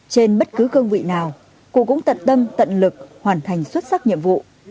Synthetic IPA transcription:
t͡ɕe˧nɓə˦˥t̚kɨ˨˦kɨ˧əŋvḭ˧˨naː˨˩w | kṵ˧˨kʊ̰˧˥ŋ͡mt̪ə˧˨nt̪ə˧mt̪ə̰˧˨nlɨ˨˩k̚hwaː˨˩nt̪ʰa˨˩jŋ̟swə˦˥t̚sa˦˥k̚ɲḭ˧˨əmvṵ˧˨

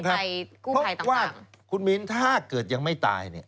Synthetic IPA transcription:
kʰa˦˥˧jkuː˥ɔ˦˥a˧˩t̪waː˥˩ | kʰu˧nmi˦˥nt̪ʰaː˥˩kɤː˨˩t̪̚ja˧ŋma˥˩jt̪a̰ː˧jnḭ˥˩ɐ

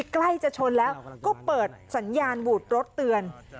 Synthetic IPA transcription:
kla˥˩jt͡ɕa˨˩t͡ɕʰo˧nlɛː˦˥wkɔː˥˩pɤː˨˩t̪̚sa˩˦njaː˧nbuː˨˩t̪̚ɾo˦˥t̪ːɯ˧ən

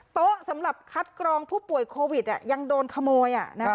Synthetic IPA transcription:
t̪o˦˥ʔsa˩˦mɾa˨˩p̚kʰa˦˥t̪̚kɾɔː˧ŋpʰuː˥˩pu˨˩ə˦jkʰoː˧wi˨˩t̪̚ʔa˨˩ja˧ŋdoː˧nkʰa˧moː˧jʔa̰˨˩na˦

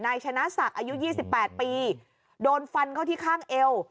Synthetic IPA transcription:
naː˧jt͡ɕʰa˧na˦˥sa˨˩k̚ʔaː˧ju˦˥jiː˥˩si˨˩pːɛː˨˩t̪̚piː˧ | doː˧nfa˧nkʰa˥˩wt̪iː˥˩kʰaː˥˩ŋʔe˧w

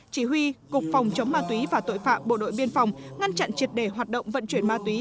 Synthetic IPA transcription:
t͡ɕi˧˩ɦwi˧kʊ˨˩k͡p̚fa˨˩wŋ͡mt͡ɕə˨˦wŋ͡mmːaː˧t̪wi˨˦vaː˨˩t̪o̰˧˨jfa̰ː˧˨mɓo̰˧˨ɗo̰˧˨jɓi˧ənfa˨˩wŋ͡mŋa˧nt͡ɕa̰˧˨nt͡ɕi˨˩ət̚ɗe˧˩ɦwaː˨˩t̚ɗə̰˧˨wŋ͡mvə̰˧˨nt͡ɕwi˧˩ənmaː˧t̪wi˨˦

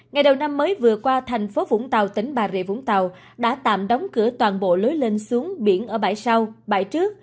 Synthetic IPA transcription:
ŋa˨˩jɗə˨˩wna˧mːəː˨˦jvɨ˨˩əkwaː˧t̪ʰɛ˨˩jŋ̟fo˨˦vʊ̰˧˥ŋ͡mt̪a˨˩wt̪ï˨˦ŋ̟ɓaː˨˩zḛ˧˨vʊ̰˧˥ŋ͡mt̪a˨˩w | ɗa̰ː˧˥t̪a̰ː˧˨mɗɔ˨˦wŋ͡mkɨ˧˩ət̪waː˨˩nɓo̰˧˨lo˨˦jle˧nsu˨˦əŋɓi˧˩ənʔəː˧˩ɓaː˧˩jsa˧wɓa̰ː˧˩jt͡ɕɨ˦˥ək̚

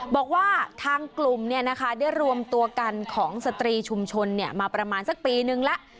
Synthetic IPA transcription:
bɔː˨˩k̚waː˥˩t̪ʰaː˧ŋklu˨˩mni˥˩ɐna˦˥kʰa˦˥daː˥˩jɾu˧əmt̪u˧ɐka˧nkʰɔː˩˦ŋsa˧t̪ɾiː˧t͡ɕʰu˧mt͡ɕʰo˧nːi˥˩ɐmaː˧pɾa˧maː˧nsa˨˩k̚piː˧nɯ˨˧ŋlɛ˦˥ʔ

